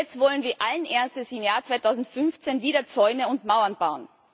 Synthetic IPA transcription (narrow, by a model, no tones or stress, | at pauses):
ɛt͡stv̥ɔlənviːɐʔalənʔeɐstəsɪmjaːɐt͡sv̥aɪtʰaʊzn̩tfʏnft͡senviːɾɐt͡sɔʏnəʊntmaʊɐnb̥aʊən